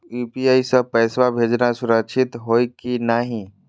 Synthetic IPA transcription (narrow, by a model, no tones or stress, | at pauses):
juːpiaːisəpɛːswabʱeːd͡ʒnasʊɾəkʃʰɪt̪ɦoːikinaɦĩ